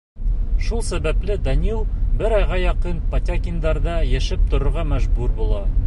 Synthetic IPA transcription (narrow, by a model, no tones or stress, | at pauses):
ʃulˠsæbæplɘd̪ɑnʲilˠbɘɾɑjʁɑjɒqɤnpɐt̪ʲakʲind̪ɑɾd̪ɑjæʃɘp̚t̪ŏɾŏɾʁɑmæʒbʉɾbulˠɑ